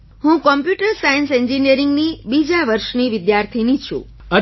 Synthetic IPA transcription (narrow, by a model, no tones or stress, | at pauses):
ɦũkɔmpjuʈəɾsajənsɛɲd͡ʒiniəɾiŋɡnibid͡ʒaʋəɾʃniʋɪd̪jaɾt̪ʰinit͡ʃʰṵ̃ | ə